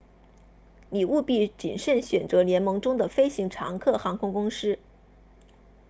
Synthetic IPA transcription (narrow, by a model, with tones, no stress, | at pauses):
li˨˩ʔu˥˧pi˥˩t͡ɕi˨˩nʂə˥˩nɕɥɛ˨˩nt͡sɤ˧˥ljɛ˧˥nmɤ˧˥ŋʈ͡ʂʊ˥ŋd̪ə˨fe˥ɪɕi˧˥ŋʈ͡ʂʰɑ̰˧˥ŋkʰɤ˥˩xɑ˧˥ŋkʰʊ˥ŋkʊ˥ŋʂɻ̩˥